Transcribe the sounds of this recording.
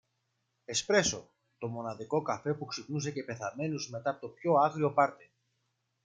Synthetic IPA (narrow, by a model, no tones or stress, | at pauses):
espɾe̞so̞ | t̪o̞mo̞nɐðiko̞kɐfe̞puksipnus̬e̞ce̞pe̞θɐme̞nuzme̞t̪ɐpot̪o̞pço̞ɐɣɾio̞pɐɾt̪e